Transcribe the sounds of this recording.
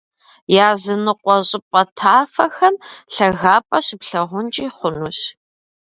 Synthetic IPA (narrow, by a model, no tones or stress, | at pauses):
jaːzɨnɨqʷʼɔɕʼɪpʼɐtʰaːfɐxɐnɬɐɣaːpʼɐɕɪpɬɐʁʷʊnt͡ʃʼiːχʷʊnuɕ